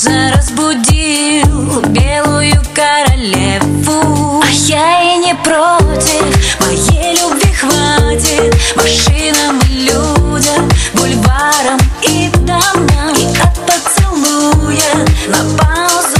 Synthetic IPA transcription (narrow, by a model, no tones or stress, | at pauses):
zɐɾɐzbudʲi | lˠbʲelˠujʊkɐɾɐlʲɛ | vu | ɐjainʲɛpɾotʲifmɐjejlʲubvʲixvatʲit̪mɐʂɨnɐmlʲːudʲɐbulʲvaɾɐmid̪amɐɐt̪̚pɐt̪sɨlˠnujɐnɐpawz